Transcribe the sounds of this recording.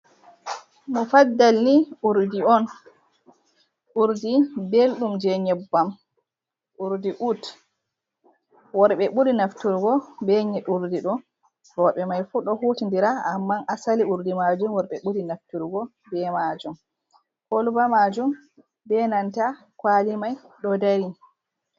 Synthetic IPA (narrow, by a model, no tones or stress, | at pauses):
mufadːalniʔuɾdiɔn | ʔuɾdibelɗumd͡ʒɛɲɛbːam | ʔuɾdiʔut | wɔɾɓɛɓudinaftuɾɡɔbɛɲɛɗuɾdiɗɔ | ɗɔɓɛmajfuɗɔhutindiɾaamːanʔasaliuɾdimad͡ʒumwɔɾɓɛɓuɾinaftuɾɡɔ | bɛmad͡ʒum | kolubamad͡ʒum | bɛnanta | kwalimaj | ɗɔdaɾi